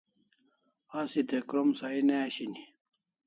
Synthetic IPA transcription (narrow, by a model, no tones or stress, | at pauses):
asit̪ekɾomsaineaɕini